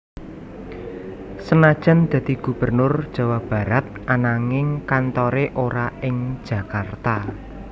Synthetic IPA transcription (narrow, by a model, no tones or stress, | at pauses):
sənad̥ʒ̥a̤nd̪̥ä̤d̪̥i̤ɡ̥ṳb̥ə̤rnʊrd̥ʒ̥ä̤wab̥a̤ɾat̪̚ʔanaŋɪŋkant̪ɔɾeʔoɾaɪŋ̥ʒ̥ä̤kart̪a